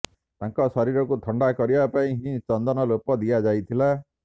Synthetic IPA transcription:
t̪ãŋkɔsɔɾiɾɔkut̪ʰɔɳɖakɔɾibapaĩɦĩt͡ʃɔnd̪ɔnɔlopɔd̪ijad͡ʒajt̪ʰila

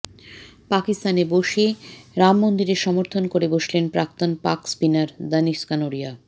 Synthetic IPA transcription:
pakist̪aneboʃeɾamːond̪iɾeʃɔmoɾt̪ʰonkoɾeboʃlenpɾak̚t̪onpakspinaɾd̪əniʃkanoɾija

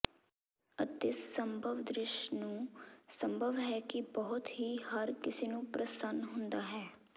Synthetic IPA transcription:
ət̪ɪsːəmbʱəʋd̪ɾɪʃnũːsəmbʱəʋɦɛːkɪbəɦʊt̪ɦiːɦəɾkɪseːnũːpɾəsənɦʊ̃nd̪aːɦɛː

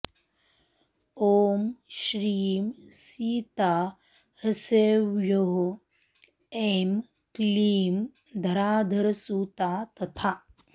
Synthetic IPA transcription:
oːmʃɾiːmsiːt̪a | ɾɐseʋjoɦo | em | kliːm | d̪ʱɐɾaːd̪ʱɐɾsuːt̪aːt̪ɐt̪ʰa

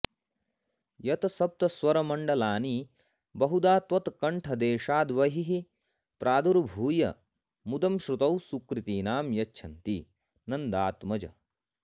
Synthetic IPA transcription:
jɐt̪ɐsɐp̚t̪ɐsʋɐɾɐmɐɳɖɐlaːni | bɐɦud̪aːt̪ʋɐt̪kɐɳʈʰɐd̪eːʃaːd̪ʋɐɦiɦi | pɾʔaːd̪uɾbʱuːjɐ | mud̪ɐmʃɾut̪ɐwsukɾit̪iːnaːmjɐt͡ʃʃʰɐnt̪i | nɐnd̪aːt̪mɐd͡ʒɐ̰

